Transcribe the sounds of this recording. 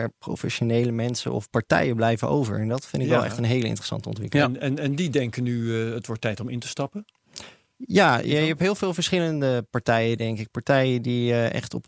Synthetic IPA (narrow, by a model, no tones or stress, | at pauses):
ɹpro̰wfɛʃonejləmɛnsə̰ɔ̰fpɑɹtɛ̰jəblɛjvənʔo̰wvə̰ɹɛndɑtfɪndɪkʋɛlˠɛ̰χtənɦejləɪ̰ntrə̥sɑ̰ntəɔ̰ntʋɪ̰kəlɛnɛndidɛŋkənyətʋɔɹtːɛjtɔmɪntə̥stɑpə | jaːjɛptɦɪːlˠvɪːlˠvəɹsχɪləndəpɑɹtɛjədɛŋkɪk̚paɹtɛjədiʔɛ̰χtɔ̰p